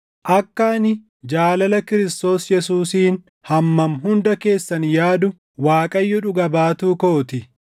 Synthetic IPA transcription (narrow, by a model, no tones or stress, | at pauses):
ʔɐkːaːnɪ | d͡ʒaːlɐlɐkɪɾɪst̪o̞ːsjɛsuːsiːn | hɐmːɐmɦʊnd̪ɐke̞ːsːɐnjaːd̪ʊ | waːkʼɐjːʊᶑʊɡɐbaːt̪uːkoːt̪ɪ